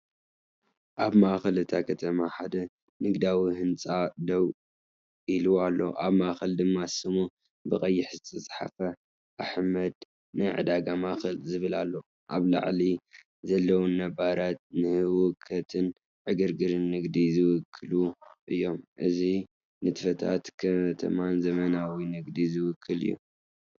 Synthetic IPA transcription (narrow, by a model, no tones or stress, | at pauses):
ʔaβmaxɐlɨt̪ʰakʰɐt̪ʰɐmaħad̪ɐ | nɨɡd̪awiɦɨnt͡sʼad̪ɐw | ʔilualːo̞̰ʔaβmaʔxɐld̪ɨmːasɨmu | bɨkʼɐjːɪħzɨt̪ʰɐsʼħa̰fɐ | ʔaħmɐd̪ | nɨʕɨ̰d̪aɡamaxɨlzɨβɨlalːo̞ | ʔaβla̰ʕli | zɐlːɐwunːɐbaɾat̪̚nɨhɨwʊkʰːɐt̪ʰɨn | ʕɨɡɨɾɡɨɾɨnːɨɡd̪izɨwʊkʰːɨluʔɨjːo̞mʔɨzi | nɨt̪ʰɨfɐt̪ʰa̰t̪kʰɐt̪ʰɐ̰manzɐmɐnawinɨɡd̪izɨwʊkʰːɨlɨ̰jːṵ